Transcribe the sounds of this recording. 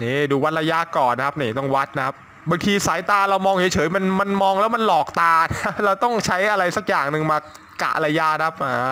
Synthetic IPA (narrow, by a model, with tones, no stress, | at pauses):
niː˧˥˩duː˧wa˦˥t̪̚ɾa˧ja˦˧˥kɔː˨˩n˦kʰa˦˥p̚niː˨˩t̪ɔ˥˩ŋwa˦˥t̪̚na˦kʰa˦˥p̚ | ba˧ŋt̪ʰiː˧saː˩˦jt̪aː˧ɾa˧wmɔː˧ŋt͡ɕʰeː˨˩˦jt͡ɕʰɤː˨˩˦jma˧nma˧nmɔː˧ŋlɛː˦˥wma˧nlɔː˨˩k̚t̪aː˧na˦˥ɾa˧wt̪ɔ˥˩ŋt͡ɕʰa˦˥jʔa˧ɾa˧jsa˨˩k̚jaː˨˩ŋnɯ˨ŋmaː˧ | ka̰˨˩ʔɾa˧jaː˧nʰa˦˥p̚ʔaː˧˩